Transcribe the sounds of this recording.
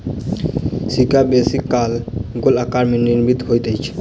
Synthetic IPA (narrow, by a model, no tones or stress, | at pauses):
sikabesikːalɡolakaɾmeniɾmit̪ɦojt̪əjt͡ʃʰ